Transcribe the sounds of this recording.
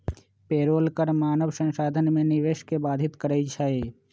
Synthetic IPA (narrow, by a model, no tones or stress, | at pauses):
peːɾoːlkəɾmaːnəʋsə̃ŋʃaːd̪ʱənmẽnɪʋeːʃkebaːd̪ʱɪt̪kəɾəjt͡ʃʰəe